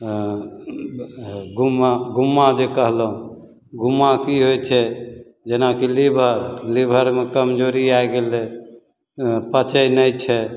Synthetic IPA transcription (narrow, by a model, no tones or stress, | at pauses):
ɡumaɡumːad͡ʒekəɦləɦũ | ɡumːakiɦojt͡ʃʰɛ | d͡ʒenakilibʱəɾlibʱəɾmekəmd͡ʒoɾiaeɡelɛ | pət͡ʃəjnəjt͡ʃʰɛ